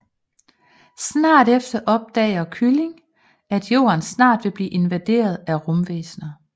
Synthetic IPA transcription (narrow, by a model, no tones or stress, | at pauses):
snɑ̰̈ːɾefd̥ɐʔɒ̽b̥̚d̥ɛ̰ɪɐkʰyle̝ŋ | æd̥jo̝̰ːɐnsnɑ̰̈ːd̥ʋe̝b̥liːʔe̝nʋæd̥e̝̰ːɐð̞̩ˠæʁɔ̽mʋḛːsnɐ